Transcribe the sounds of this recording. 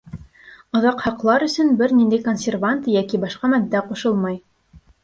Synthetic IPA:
ŏðɑqhɑqlˠɑɾɵ̆sɵnbɘɾnind̪æjkonʲsʲervant̪ɤjækibɑʃqɑmæd̪ːæqŏʃɤlˠmɑj

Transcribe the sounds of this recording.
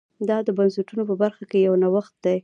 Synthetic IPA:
d̪ɑd̪əbansʊʈunopəbaɾxakejawnawaxt̪̚d̪aj

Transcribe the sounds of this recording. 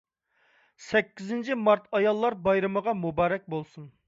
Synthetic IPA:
sɛkʲːizɪnt͡ʃʰimɑɾt̪ʰɑjɑlˠːɑɾbɑjɾɨməʁɑmubɑːɾɛk̚ʲbolˠsun

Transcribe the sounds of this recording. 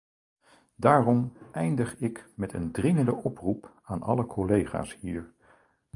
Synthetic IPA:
daːrɔmʔɛjndəχɪkmɛtə̰ndrɪŋəndəʔɔprup | aːnʔɑ̰ləkʰɔlejχa̰ːshiːɹ

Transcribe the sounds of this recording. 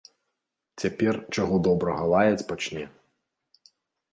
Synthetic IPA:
t͡sʲapʲɛrt͡ʃaɣɔd̪ɔbɾɐɣɐlˠajɐt͡sʲpat͡ʃnʲɛ

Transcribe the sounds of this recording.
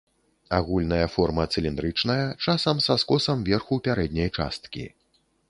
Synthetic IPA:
aɣulʲnɐjɐfɔrmɐt̪sɨlʲind̪ɾɨt͡ʂn̪ɐjɐt͡ʂasɐmsaskɔsɐmvʲɛrxupʲaɾɛd̪ʲnʲɐjt͡ʂa̰st̪̚kʲḭ

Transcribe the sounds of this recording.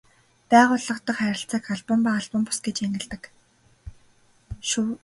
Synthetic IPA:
pæːʁʊːɮə̆qt̪ə̆χχæɾʲɪ̆ɬt͡sə̆kaɮpə̆mpaaɮpə̆mpʊ̥sɡet͡ɕeŋɡɘ̆ɮt̪ə̆k | ʃu

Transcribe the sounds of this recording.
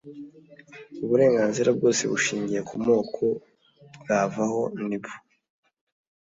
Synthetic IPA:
uβuɾe̞ːŋɡaːnziɾab̚ɡo̞ːse̞̰βuʃiːɲɟije̞kumo̞ːkʰo̞ | bɡaːvaho̞nibu̥

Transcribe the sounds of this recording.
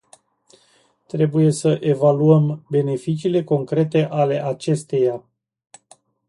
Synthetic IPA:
t̪ɾe̞buje̞səʔe̞valuəmbe̞ne̞fit͡ʃiːle̞ko̞ŋkɾe̞t̪e̞ʔale̞ʔat͡ʃe̞st̪e̞ja

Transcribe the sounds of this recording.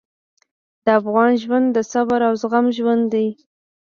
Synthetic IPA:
d̪̥əafɣɑnʒwand̪d̪ːəsabaɾawzɣamʒwand̪d̪aj

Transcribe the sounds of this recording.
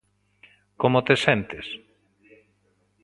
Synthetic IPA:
komot̪esent̪ɪs

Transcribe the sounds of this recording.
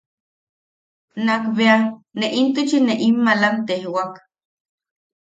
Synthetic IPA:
nakβeaneʔint̪ut͡ʃineʔimːalant̪ehwak

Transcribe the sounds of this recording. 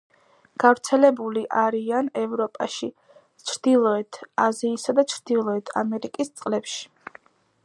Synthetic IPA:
ɡ̥avɾt̪sʰɛlɛbuliʔaɾianɛvɾɔpʼaʃi | t͡ʃʰɾd̪̥ilˠɔɛt̪ʰaziːsad̪at͡ʃʰɾd̪̥ilˠɔɛt̪ʰamɛɾikʼist̪sʼqʼlɛpʃi̥

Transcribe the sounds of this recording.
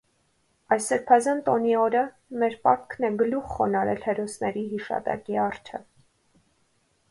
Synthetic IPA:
ɑjsːəɾpʰɑzɑnt̪ɔniɔɾə | mɛɾpɑkʰnɛɡəluχχɔnɑɾɛ̰lhɛɾɔsnɛɾiɦiʃɑ̰t̪ɑ̰kiɑɾt͡ʃʰə̰

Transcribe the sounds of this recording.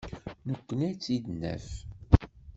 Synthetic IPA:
nəkʷːənæt͡sːid̪nːæ̰f

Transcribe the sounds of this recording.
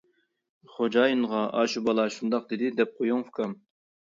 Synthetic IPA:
χod͡ʒɑːjinʁɑʔɑːʃubɑlˠɑʃund̪ɑqd̪ɪd̪ɪd̪ɛp̚qʰojuŋfkʰɑm

